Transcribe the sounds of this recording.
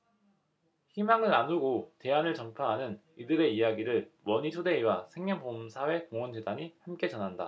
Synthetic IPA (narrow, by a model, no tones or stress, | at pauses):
çimaŋɯɭːanuɡote̞anɯɭt͡ɕʌmpʰjaɦanɯnidɯɾe̞ijaɡiɾɯɭwʌɲit͡ɕʰode̞iwasʰe̞ŋɲʌnpomsʰawe̞koŋwʌnd͡ʑedaɲihamk͈e̞t͡ɕʌnɦanda̰